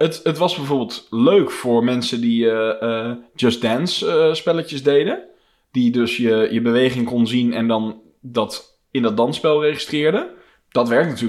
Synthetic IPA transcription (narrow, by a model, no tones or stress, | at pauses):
ətətʋɑzbɛjvoːɹbɪːlˠtløɥkfʊːɹmɛnsədi | d͡ʒəsdɛnsspɛlətjəzdejdə | d̥idɵsjəjəbəʋejχɪŋkɔnzinɛ̰ndɑn | dɑt | ɪndɔd̚dɑnspɛlˠrejχistrɪːɹdə | d̥ɑtʋɛɹk̚natyːl